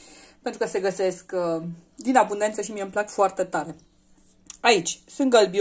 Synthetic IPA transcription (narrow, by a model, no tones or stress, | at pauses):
pent̪ɾukəse̞ɡəse̞sk | d̪inabund̪e̞nt̪səʃimieɨmplakfoart̪e̞t̪aɾe̞ | ait͡ʃʲsunt̪̚ɡəlbi